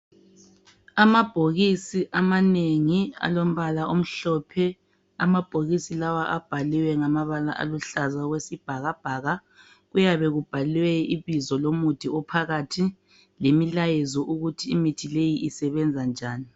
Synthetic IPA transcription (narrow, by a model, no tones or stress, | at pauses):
amab̥ʱoɣisiʔamaneŋia̰lom̩βalaʔom̩ɬɔpʰɛ | amab̥ʱoɣisilawaʔab̥ʱaliwɛŋamaβalaʔa̰luɬazaɣwesib̥ʱaɣab̥ʱaɣa | ɣujaβɛɣub̥ʱalwɛiβizɔlomud̥ʱiɔpʰaɣatʰi | lemilajɛzɔʔuɣutʰiːmitʰilejiʔisɛβɛnd͡zʱand͡ʒʱaːni